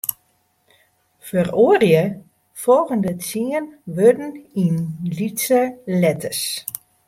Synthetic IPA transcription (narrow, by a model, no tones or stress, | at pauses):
fəroərjə | folˠɣəndət͡siənʋødn̩inlitsəlɛtəs